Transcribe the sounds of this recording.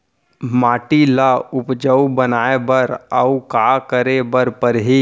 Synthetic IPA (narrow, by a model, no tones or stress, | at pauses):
maːʈilaʊpd͡ʒəwbənaːebəɾəukakəɾebəɾpəɾɦi